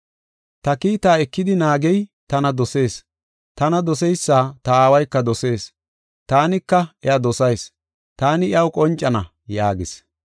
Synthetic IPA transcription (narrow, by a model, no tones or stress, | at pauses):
t̪ɐkiːt̪aːɛkːɪd̪ɪnaːɡɛjt̪ɐnɐd̪ɔse̞ːs | t̪ɐnɐd̪ɔsɛjsːaːt̪ɐaːwɐjkːɐd̪ɔse̞ːs | t̪aːnɪkːɐʔɛɐd̪ɔsɐjs | t̪aːnɪɐwkʼɔnt͡ʃʼːɐnɐ | jaːɡɪs